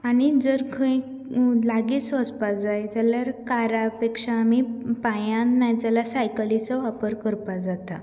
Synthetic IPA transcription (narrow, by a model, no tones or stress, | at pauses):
añid͡zəɾkʰə̃ĩ | laɡet͡sɔspad͡zajd͡zəljaɾkaɾapekʂaːmipajãnːajd͡zəlasajkəlit͡sɔʋapəɾkəɾpad͡zat̪a